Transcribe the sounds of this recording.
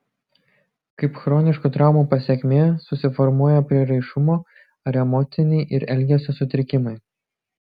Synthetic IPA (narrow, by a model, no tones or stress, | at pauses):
kɐɪpxɾoːnʲɪʃkut̪ɾɑˑʊmuːpɐsʲɛkʲmʲeːsʊsʲɪfɔɾmuɔjɛpʲɾʲiɛɾɐɪʃʊmoː | ɐɾɛmɔt̪sʲɪnʲɛɪʔɪɾɛlʲɡʲɛsʲosʊt̪ʲɾʲɪkʲɪmɐɪ